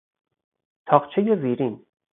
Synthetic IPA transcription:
t̪ʰɒχt͡ʃʰejeviːɾin

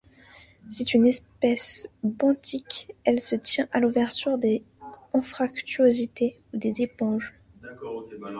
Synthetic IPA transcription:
sɛt̪ynɛspɛsbɑ̃t̪ʰikɛlsət̪jɛ̃ʔaluvɛʁt̪yʁd̪e | ɛ̃fχakt̪yozit̪e | ud̪ezepɑ̃ʒ

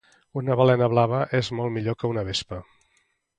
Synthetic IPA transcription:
unəβəlɛnəβlaβəʔezmɔlˠmiʎokəunəβ̞espə

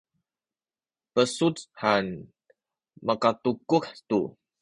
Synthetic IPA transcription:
pəsuthan | makat̪ukʊht̪u

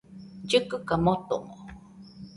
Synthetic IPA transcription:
d͡ʒəkəkamot̪o̰mo

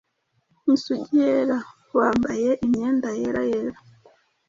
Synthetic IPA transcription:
isuɟijeɾa | waːmbajeʔimɲeːndajeɾajeɾa

